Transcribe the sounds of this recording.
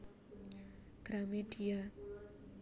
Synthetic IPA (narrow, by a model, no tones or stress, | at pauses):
ɡ̥ɾamedia